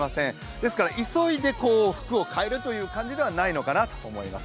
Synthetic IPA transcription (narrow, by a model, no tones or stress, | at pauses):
masẽ̞ŋ | d̪esɨ̥kaɾaʔiso̞id̪e̞ko̞ːɸɯ̟̥kɯ̟o̞kʰae̞ɾɯ̟t̪o̞jɯ̟ːkãɲ̟d͡ʑid̪e̞βanaino̞kanat̪o̥omo̞ima̰s